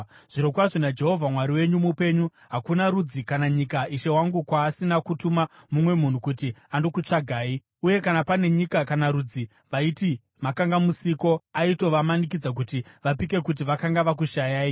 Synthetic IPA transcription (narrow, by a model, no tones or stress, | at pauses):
ʐ̥iɾokwaʐinad͡ʒe̞ɦo̞vʱamwaɾiwe̞ɲumupe̞ɲu | ɦakunaɾud͡zikanaɲikaʔiʃe̞waŋɡukwaːsinakutumamumwe̞mun̤ukutiandokut͡ʂaɡʱaːi | uje̞kanapane̞ɲikakanaɾud͡zi | ʋaiti | makaŋɡamusiko̞aito̞ʋamanik̬id͡zak̬utiʋap̬ike̞kut̬iʋakaŋɡaʋak̬uʃajaːi